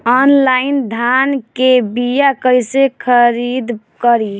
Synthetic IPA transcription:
ɔnlaɪnd̪ʱankebijakəjsekʰəɾid̪ | kəɾi

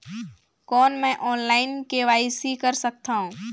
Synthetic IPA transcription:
kɔːnmɛ̃ːʔɔːnlaːɪnkeʋaːisikəɾsək̚t̪aɦũː

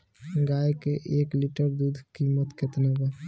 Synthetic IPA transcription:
ɡaːekeʔeːklɪʈəɾd̪uːd̪ʱkiːmət̪ket̪nebe

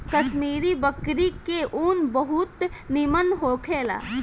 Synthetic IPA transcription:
kəʃmiːɾibəkɾikeʔuːnbəɦut̪nimənɦoːkʰeːla̰ː

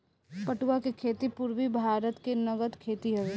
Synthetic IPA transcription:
pɐʈuwakekʰeːt̪ipʊɾwibʱaːɾət̪kenɐɡəd̪kʰeːt̪iɦɐʋeː

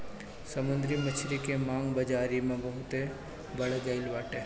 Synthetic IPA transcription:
sɐmʊ̃nd̪ɾimɐt͡ʃʰɾikemaːŋɡbɐd͡ʒaːɾimẽbɐɦʊt̪e | bɐɽɡɐɪlʋaːʈeː

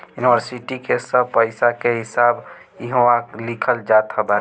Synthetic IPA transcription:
juniʋəɾsiʈikesəb̚pəɪsakeɦɪsaːb | iɦoalɪkʰəld͡ʒat̪ɦəba

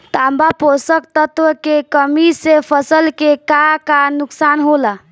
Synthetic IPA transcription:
t̪ambaposəkt̪ət̪ʋəkekəmisepʰəsəlkekakanuksanɦola

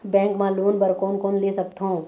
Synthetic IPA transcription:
bɛ̃ːŋkmãloːnbəɾkoːnkoːnleːsək̚t̪ɦõ

